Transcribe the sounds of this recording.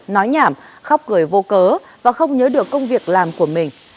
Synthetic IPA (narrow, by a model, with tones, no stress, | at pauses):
nɔ˨˦jɲaː˧˩mxa˧˥wk͡p̚kɨ˨˧˩əjvo˧kəː˨˦ | vaː˨˩xə˧wŋ͡mɲəː˨˦ɗɨ˨˩əkːə˧wŋ͡mvi˨˩ək̚laː˨˩mku˧˩əmï˨˩ŋ̟